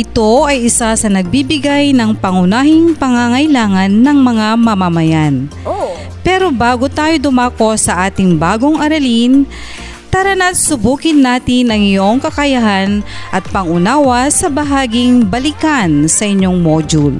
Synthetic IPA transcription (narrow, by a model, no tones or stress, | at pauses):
ʔɪt̪oʔɐjʔɪsasɐnɐɡ̚bibɪɡajnɐŋpɐŋʊnaːhɪŋpɐŋaŋɐjlaːŋɐnːɐŋmɐŋamɐmɐmɐjan | pɛːɾo̞baːɡot̪aːjo̞d̪ʊmaːko̞sɐʔaːt̪ɪŋbaːɡo̞ŋʔɐɾɐlin | t̪aɾɐnɐsʊbuːkɪnːaːt̪ɪnɐŋɪjo̞ŋkɐkɐjɐɦanʔɐt̪̚pɐŋʔʊnaːwɐsɐbɐɦaːɡɪŋbɐlikansɐʔɪɲːo̞ŋmoːd͡ʒʊl